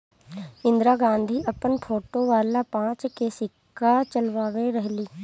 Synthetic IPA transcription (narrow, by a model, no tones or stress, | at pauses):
ɪ̃nd̪ɾaːɡãːnd̪ʱiʔɐpənpʰoːʈoʋaːlapãːt͡ʃkesɪkː | at͡ʃəlʋaːʋeɾəɦliː